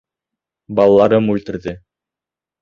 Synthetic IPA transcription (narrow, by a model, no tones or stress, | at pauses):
bɑlˠɑlˠɑɾɤmʉlt̪ɘ̆ɾðɘ